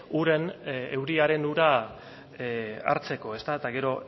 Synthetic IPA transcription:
uɾe̞ne̞wɾiaɾe̞nuɾa | a̰ɾt͡se̞ko̞e̞st̪aet̪aɣe̞ɾo̞

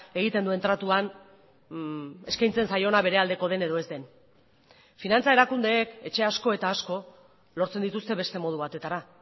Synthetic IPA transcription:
e̞ɣit̪e̞nd̪ue̞nt̪ɾat̪uan | e̞skajnt͡se̞nsajo̞naβ̞e̞ɾe̞ald̪e̞ko̞ð̞e̞ne̞ð̞o̞e̞zd̪e̞n | finant͡sae̞ɾakund̪e̞ːke̞t͡ʃe̞asko̞e̞t̪aːsko̞ | lo̞ɾt͡send̪it̪ust̪e̞βe̞st̪e̞mo̞ð̞uβat̪e̞t̪aɾa

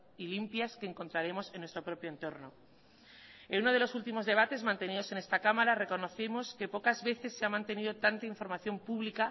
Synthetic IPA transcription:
ilimpjaske̞ːŋko̞nt̪ɾaɾe̞mo̞senːwest̪ɾopɾo̞pjoent̪o̞ɾno̞ | enuno̞ð̞e̞lo̞sult̪imo̞zðe̞βat̪e̞zmãnt̪e̞niðo̞se̞ne̞st̪akamaɾare̞ko̞no̞θemo̞ske̞po̞kazβe̞θe̞sːeamãnt̪e̞niðo̞t̪ant̪aiɱfo̞ɾmaθjo̞mpuβlika

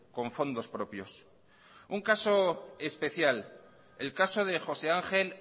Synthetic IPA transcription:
ko̞ɱfo̞nd̪o̞spɾo̞pjo̞s | uŋkaso̞e̞spe̞θjal | elkaso̞ð̞e̞xo̞se̞aŋxe̞l

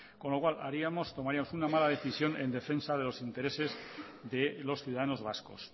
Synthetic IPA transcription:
ko̞nlo̞kwalʔa̰ɾiamost̪omaɾiamo̞sunamalað̞e̞θisjo̞ne̞nd̪e̞fe̞nsaðe̞lo̞sint̪e̞ɾe̞se̞z | ðe̞lo̞sθjuwðaðano̞zβ̞asko̞̰s

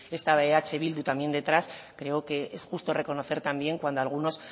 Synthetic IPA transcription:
e̞st̪aβeat͡ʃe̞β̞ild̪ut̪amje̞nd̪e̞t̪ɾaskɾe̞oke̞esxust̪o̞re̞ko̞noθe̞ɾt̪ambje̞ŋkwand̪oalɣ̞uno̞s

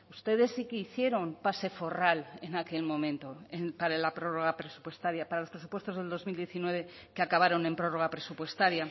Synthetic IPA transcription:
ust̪e̞ð̞e̞sːikeiθje̞ɾo̞mpase̞fo̞rale̞nake̞lmõ̞mẽ̞nt̪o̞enpaɾalapɾo̞ro̞ɣapɾe̞su̥pwest̪aɾjapaɾalospɾes̬u̥pwe̞st̪o̞zðeld̪o̞zmild̪je̞θinwe̞β̞e̞ | keakaβ̞aɾo̞nẽ̞mpɾo̞ro̞ɣ̞apɾe̞supwe̞st̪aɾja

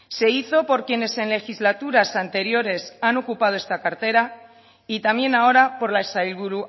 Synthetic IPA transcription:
se̞iθo̞po̞ɾkje̞ne̞se̞nle̞xizlat̪uɾasant̪e̞ɾjo̞ɾe̞sano̞kupað̞oe̞st̪akaɾt̪e̞ɾa | it̪amje̞nao̞ɾapo̞ɾlaesailβuɾu

